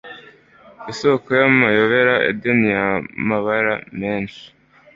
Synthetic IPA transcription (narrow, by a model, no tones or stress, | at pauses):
isokojamajo̞βe̞ɾaʔḛdenijamaβaɾameːnʃi̥